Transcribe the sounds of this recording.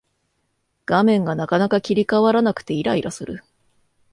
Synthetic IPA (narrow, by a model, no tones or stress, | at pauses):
ɡ̥amẽ̞ŋɡanakanakakʲiɾʲikaβaɾanakɯ̟̥t̪e̞iɾaiɾasɨɾɯ̟̰